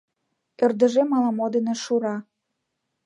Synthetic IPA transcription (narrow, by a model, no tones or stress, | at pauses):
ørd̪ə̆ʒemɑlɑmod̪eneʃuɾɑ